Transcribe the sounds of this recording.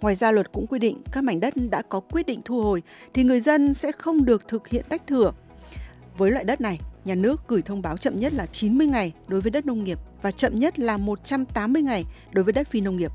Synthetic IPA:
ŋwaː˨˩jzaː˧lwə˨˩t̚kʊ̰˧˥ŋ͡mkwi˧ɗḭ̈˧˨ŋ̟kaː˦˥k̚ma˨˩jŋ̟ɗə˦˥t̚ɗa̰ː˧˥kɔ˨˦kwi˦˥ət̚ɗḭ˧˨ŋ̟t̪ʰu˧ho˨˩j | t̪ʰi˨˩ŋɨ˨˩əjzə˧nsɛ̰˧˥xə˧wŋ͡mɗɨ˨˩ək̚t̪ʰɨ˨˩k̚hḭ˧˨ənt̪a˦˥jk̟̚t̪ʰɨ˧˩ə | vəː˨˦jlwa̰˧˨jɗə˦˥t̚na˨˩jɲaː˨˩nɨ˦˥ək̚ɣɨ˧˩jt̪ʰə˧wŋ͡mɓaː˨˦wt͡ɕə̰˧˨mɲə˦˥t̚laː˨˩t͡ɕi˨˦nmɨ˧əjŋa˨˩jɗo˨˦jvəː˨˦jɗə˦˥t̚nə˧wŋ͡mŋi˨˩əp̚vaː˨˩t͡ɕə̰˧˨mɲə˦˥t̚laː˨˩mo˨˩t̚t͡ɕa˧mt̪aː˨˦mːɨ˧əjŋa˨˩jɗo˨˦jvəː˨˦ɗə˦˥t̚fi˧nə˧wŋ͡mŋi˨˩əp̚

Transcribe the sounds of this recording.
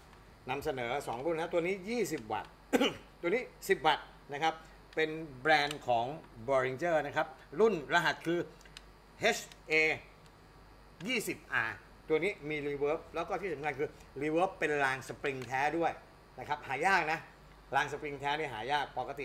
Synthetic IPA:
na˧msa˧nɤː˩˦sɔː˩˦ŋɾu˥˩nːa˦˥t̪u˧əniː˦˥jiː˥˩si˨˩p̚wa̰˨˩t̪̚ | t̪ːu˧əniː˦˥si˨˩p̚wa˨˩t̪̚ | na˦˥kʰa˦˥p̚ | pe˧nbɾɛː˧nkʰɔː˩˦ŋbɔː˧ɾi˧nt͡ɕɤː˥˩na˦˥kʰa˦˥p̚ɾu˥˩nɾa˧ɦa˨˩t̪̚kʰɯː˧ | he˦˥t͡ʃʰʔeː˧ | jiː˥˩si˨˩p̚ʔaː˧ | t̪u˧ɐniː˦˥miː˧liː˧wɤː˦˥p̚lɛː˦˥wkɔː˥˩t̪ʰiː˥˩sa˩˦mŋkʰa˧nkʰɯː˧ | liː˧wɤː˦˥pːe˧nlaː˧ŋsa˧pɾi˧ŋt̪ʰɛː˦˥du˥˩əj | na˦˥kʰa˦˥p̚haː˩˦jaː˥˩k̚na˦˥ | laː˧ŋs̬a˧pɾi˧ŋt̪ʰɛː˦˥niː˥˩ɦaː˩˦jaː˥˩k̚pa˨˧˩ka˧t̪ḭ˨˩

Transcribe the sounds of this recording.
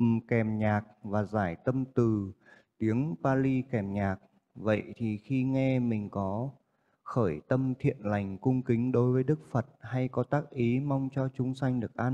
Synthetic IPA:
kɛ˨˩mɲaː˨˩k̚vaː˨˩zaː˧˩jt̪ə˧mt̪ɨ˨˩ | t̪i˨˦əŋpaː˧li˧kɛ˨˩mɲaː˨˩k̚ | və̰˧˨jt̪ʰi˨˩xi˧ŋɛ˧mï˨˩ŋ̟kɔ˨˦ | xəː˧˩jt̪ə˧mt̪ʰḭ˧˨ənla˨˩jŋ̟kʊ˧ŋ͡mkï˨˦ŋ̟ɗo˨˦jvəː˨˦jɗɨ˦˥k̚fə˨˩t̚ha˧jkɔ˨˦t̪aː˦˥k̚ʔi˨˦ma˧wŋ͡mt͡ɕɔ˧t͡ɕʊ˨˦ŋ͡msa˧jŋ̟ɗɨ˨˩ək̚ʔaː˧

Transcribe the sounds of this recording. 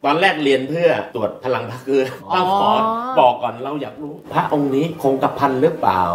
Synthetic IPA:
t̪ɔː˧nɾɛː˥˩k̚ɾi˧ənpʰɯ˥˩ɐt̪u˨˩ət̪̚pʰa˧la˧ŋpʰaː˦˥kʰɯː˧˩t̪a˥˩sɔː˨˦bɔː˨˩kːɔː˨˩nɾa˧wjaː˨˩k̚ɾuː˦˥pʰɾa˦˥ʔo˧ŋniː˦˥kʰoː˧ŋka˨˩pʰːa˧nɾɯ˦˥ə˩pla̰ː˨˩w

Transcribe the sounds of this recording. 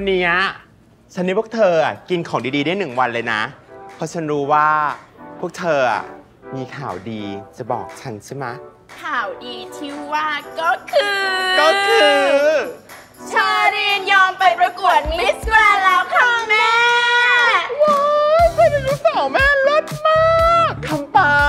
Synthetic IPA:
a˧nːiː˦˥a˦˧˩ | t͡ɕʰa˦˥nː˦˥pʰu˥ə˩t̪ʰɤː˧ʔa˨˩ki˧nkʰɔː˩˦ŋdiː˧diː˧da˥˩ənɯ˨˩ŋwa˧nlɤː˧jna̰˦˥pʰɔ˧t͡ɕʰa˦˥nɾuː˦˥waː˥˩pʰu˥˩ək̚t̪ʰɤː˧ʔa̰˨˩ | miː˧kʰaː˨˩wdiː˧t͡ɕa˨˩bɔ̰ː˨˩k̚t͡ɕʰa˦˥nt͡ɕʰi˦˥˩ma˦˥ | kʰaː˨˩wdiː˧t̪ʰi˦˥waː˥˩kɔː˥˩kʰɯː˧kɔː˥˩kʰɯː˧ | t͡ɕʰɤː˧ɾiː˧njɔː˧mpa˧jpɾa˧ku˨˩ət̪̚i˦˥swaː˧lɛː˦˥wkʰa˧˥ŋŋmɛː˥ | woː˧kʰo˧˥na˧nu˦˥sɔː˨˩˦mɛː˥˩lo˦˥t̪̚maː˥˩k̚kʰa˧mpaː˧

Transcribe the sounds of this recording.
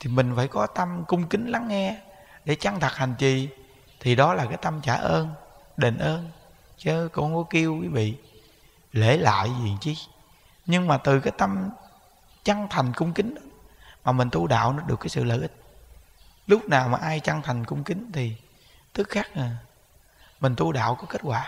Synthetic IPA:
t̪ʰi˨˩mï˨˩ŋ̟fa̰ː˧˩jkɔ˨˦t̪ə˧mkʊ˧ŋ͡mkï˨˦ŋ̟la˨˦ŋːɛ˧ | ɗe˧˩t͡ɕa˧ŋt̪ʰə˨˩t̚ha˨˩ŋ̟t͡ɕi˨˩ | t̪ʰi˨˩ɗɔ˨˦laː˨˩kaː˨˦jt̪a˧mt͡ɕaː˧˩ʔəː˧n | ɗe˨˩nʔəː˧n | t͡ɕəː˨˦kʊ̰˧˥ŋ͡mkɔ˨˦ki˧əwkwi˨˦vḭ˧˨ | le˧˩la̰ː˧˨jzḭ˧˨˩əŋt͡ɕi˧˦ | ɲɨ˧ŋmaː˨˩t̪ɨ˨˩kaː˨˦jt̪ə˧m | t͡ɕa˧ŋt̪ʰa˨˩jŋ̟kʊ˧ŋ͡mkï˨˦ŋ̟ɗɔ˨˦maː˨˩mi˨˩ŋ̟t̪u˧ɗa̰ː˧˨wnɔ˨˦ɗɨ˨˩əkːaː˨˦jsɨ̰˧˨lə̰ː˧˨ʔï˦˥k̚ | lʊ˦˥k͡p̚naː˨˩wmaː˨˩ʔaː˧jt͡ɕa˧ŋt̪ʰa˨˩jŋ̟kʊ˧wŋ͡mkï˨˦ŋ̟t̪ʰi˨˩ | t̪ʰɨ˦˥k̚xaː˦˥k̚na˨˩ | mï˨˩ŋ̟t̪u˧ɗa̰ː˧˨wkɔ˨˦ke˦˥t̚waː˧˩

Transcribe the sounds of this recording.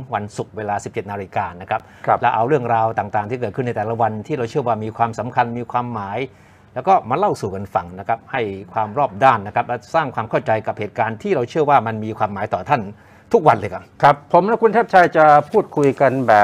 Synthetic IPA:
ŋwa˧nsu˨˩k̚weː˧laː˧si˨˩p̚t͡ɕe˨˩t̪̚naː˧ɾi˧kaː˧na˦˥kʰa˦˥p̚lɛ˦˥wʔa˧wɾɯ˥˩əŋɾaː˧wt̪aː˨˩ŋt̪aː˨˩ŋt̪ʰiː˥˩kɤː˨˩t̪kʰɯ˥˩na˧jt̪ɛː˨˩la˦˥wa˧nt̪ʰiː˥˩ɾa˧wt͡ɕʰɯ˥˩əwaː˥˩miː˧kʰwaː˧msa˩˦mkʰa˧nmiː˧kʰwaː˧mːaː˩˦j | lɛː˦˥wkɔː˥˩maː˧la˥˩wsuː˨˩ka˧nfa˨˩ŋna˦˥kʰa˦˥p̚ha˥˩jkʰwaː˧mɾɔː˥˩p̚daː˥˩nːa˦˥kʰɾa˦˥p̚lɛ˦˥saː˥˩ŋkʰwaː˧mkʰa˥˩wt͡ɕa˧jka˨˩p̚heː˨˩t̪̚kaː˧nt̪ʰiː˥˩ɾa˧wt͡ɕʰɯ˥˩əwaː˥˩ma˧nmiː˧kʰwaː˧mːaː˩˨˦jt̪ɔː˨˩t̪ʰa˥˩n | t̪ʰu˦˥k̚wa˧nlɤː˧kʰa˨˩kʰa˦˥pʰːo˩˦mlɛ˦˥kʰu˧nt̪ʰɛː˥˩pt͡ɕʰa˧˩jt͡ɕa˨˩pʰuː˥˩t̪̚kʰu˧jka˧nbɛː˨˩

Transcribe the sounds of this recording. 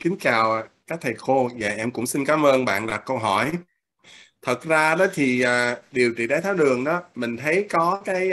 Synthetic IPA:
kï˨˦ŋ̟t͡ɕaː˨˩wa˨˩kaː˦˥k̚t̪ʰa˨˩jxo˧vaː˨˩ʔɛ˧mkʊ̰˧˥ŋ͡msi˧nkaː˨˦mʔəː˧nɓa̰ː˧˨nɗa˨˩kːə˧wɦɔ˧˩j | t̪ʰə˨˩t̚zaː˧ɗɔ˨˦t̪ʰi˨˩ʔəː˨˩ɗi˨˩əwt͡ɕḭ˧˨ɗaː˨˦jt̪ʰaː˨˦wlɨ˨˩əŋɗɔ˨˦mï˨˩ŋ̟t̪ʰə˨˦jkɔ˨˦kaː˨˦j

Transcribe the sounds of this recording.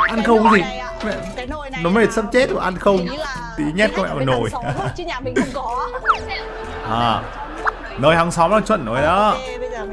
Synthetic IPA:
ʔa˧nxə˧wŋ͡mt̪ʰi˨˩ | mɛ̰˧˨ | nɔ˨˦mə˨˦ə˨˩tsə˦˥p̚t͡ɕe˦˥t̚vaː˨˩ʔa˧nxə˧wŋ͡m | t̪i˨˦ɲɛ˦˥t̚kɔ˧˦mɛ̰˧˨ma˨˩no˨˩j | ʔaː˨˩ | nəː˧˩jha˨˦ŋsɔ˨˦wŋ͡mlaː˨˩t͡ɕwə̰˧˨nːo˨˦jɗɔ˨˦

